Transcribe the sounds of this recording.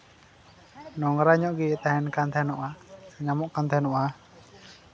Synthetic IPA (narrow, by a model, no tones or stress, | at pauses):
nɔŋɾaɲɔʔɡiɛʔt̪aɦɛnkant̪ʰɛnɔʔaɲamɔʔkant̪ʰɛnɔʔa